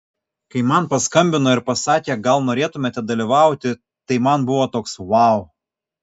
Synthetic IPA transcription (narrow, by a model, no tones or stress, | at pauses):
kɐɪmɐnpɐskɐmʲbʲɪnoːɪɾpɐsɑːkʲeɡɐlˠnoːɾʲeːt̪ʊmʲeːt̪ʲɛd̪ɐlʲiʋɑˑʊt̪ʲɪ | t̪ɐɪmɐnbʊʋoːt̪oːksʋɑˑʊ